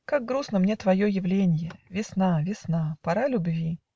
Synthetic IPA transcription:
kaɡ̚ɡɾusnəmnʲet̪vɐjo̞jɪvlʲenʲɪjəvʲɪsn̪avʲɪsn̪apɐɾalʲʊbvʲi

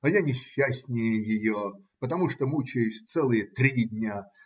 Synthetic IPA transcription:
ɐjanʲɪɕːæsʲnʲɪjəjɪjo | pət̪ɐmuʂt̪omut͡ɕɪjʊsʲt̪sɛlˠɨjət̪ɾʲidʲnʲa

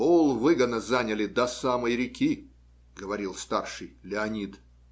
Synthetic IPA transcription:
olˠvɨɡəd̪nəzanʲəlʲɪd̪ɐsaməjɾʲɪkʲi | ɡəvɐɾʲilˠst̪arʂɨjlʲɪɐnʲid̪

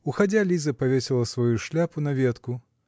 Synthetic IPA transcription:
uxad͡zʲalʲizɐpavʲesʲɛlˠɐsvajuʂlʲapunavʲɛt̪ku

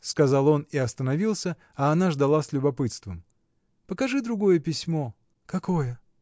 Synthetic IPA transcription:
skɐzɑlˠo̞nɪɐst̪ənɐvʲilˠsʲə | ɐːnaʐd̪ɐlˠasʲlʲʊbɐpɨt̪st̪vəm | pəkɐʐɨd̪ɾʊɡo̞jəpʲɪsʲmo̞ | kɐkojə

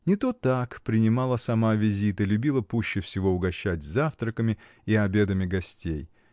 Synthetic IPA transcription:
nʲɪt̪ot̪akpɾʲɪnʲɪmɑlˠəsɐmavʲɪzʲit̪əlʲʊbʲilˠəpuɕːɪfsʲɪvo̞ʊɡɐɕːætʲzaft̪ɾəkəmʲɪ | iɐbʲe̞d̪əmʲɪɡɐsʲtʲej

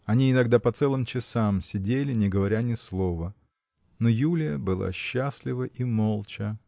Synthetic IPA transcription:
ɐnʲiɪnɐɡd̪apɐt̪sɛlˠɨmt͡ɕɪsamsʲɪdʲelʲɪnʲɪɡəvɐɾʲanʲɪslˠo̞və | nojulʲɪjəbɨlˠa̰ɕːasʲlʲɪvəʔimolˠt͡ɕə

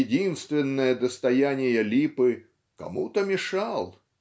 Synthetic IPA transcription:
dʲinst̪vʲɪnːəjɐd̪ɐst̪ajanʲɪjɐlʲipɨ | ka̰mut̪əmʲɪʂalˠ

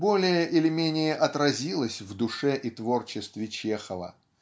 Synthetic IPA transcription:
bo̞lʲɪjəʔɪlʲɪmʲenʲɪjəʔɐt̪ɾɐzʲilˠəsʲvd̪ʊʂɛʔit̪vo̞rt͡ɕɪst̪vʲɪt͡ɕexəvə̰

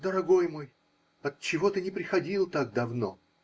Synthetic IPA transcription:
d̪əɾɐɡo̞jmo̞j | ɐt̪t͡ɕːɪvo̞t̪ɨnʲɪpɾʲɪxɐdʲilˠt̪aɡ̚d̪ɐvno̞

